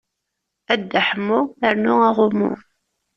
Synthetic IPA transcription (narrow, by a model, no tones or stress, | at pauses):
æd̪ːəħəmːʊəɾnʊaʁʊmʊ̰